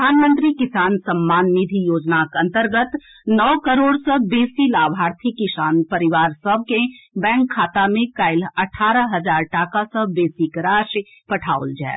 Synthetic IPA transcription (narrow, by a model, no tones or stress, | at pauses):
aːnmə̃nt̪ɾikɪsaːnsəmːaːnːid̪ʱijoːd͡ʒnakɐ̃nt̪əɾɡət̪ | nɔːkəɾoːɽsəbeːsilaːbʱaːɾt̪ʰikːɪʃaːnpəɾɪʋaːɾsəb̚ʱkẽbɛ̃ːŋkʰːaːt̪amẽkaːɪlɐʈʰaːɾəɦɐzaːɾʈaːkasəbeːsikɾaːʃ | pɐʈʰaːʊ̰ld͡ʒɛ̰ː